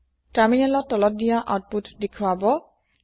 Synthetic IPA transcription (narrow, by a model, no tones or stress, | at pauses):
taɹminɛlɔtːɔlɔt̚dijaʔat̚putdekʰwabɔ